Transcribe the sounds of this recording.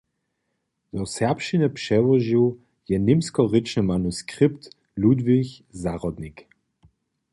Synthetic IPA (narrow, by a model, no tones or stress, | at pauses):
dɔsɛʁpʃinɛpʂɛvɔʒiw | jɛnɪmskɔʁɪt͡ʃnəmanuskʁɪpt | ludviçzaʁɔd̪nik